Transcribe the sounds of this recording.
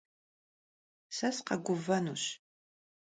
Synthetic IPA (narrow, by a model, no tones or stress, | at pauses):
sɐsqɐɡʷʊvɐnṵːɕ